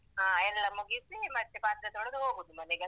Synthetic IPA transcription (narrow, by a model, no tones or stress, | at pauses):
ɦaːɛlːɐmuɡisimɐt̪ːepaːt̪ɾɐt̪ɔɽɐd̪uɦoːɡod̪umɐneɡɛ